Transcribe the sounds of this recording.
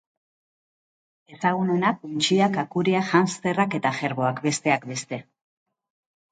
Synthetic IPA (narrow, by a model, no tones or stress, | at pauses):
e̞saɣ̞uno̞nakunt͡ʃiakakuɾiaʝanst̪e̞rake̞t̪aʝe̞ɾβo̞akbe̞st̪e̞akbe̞st̪e̞